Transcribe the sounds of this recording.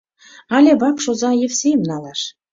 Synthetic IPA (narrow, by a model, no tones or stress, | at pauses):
ɑlʲebɑpʃozɑjefsʲejmnɑlˠɑʃ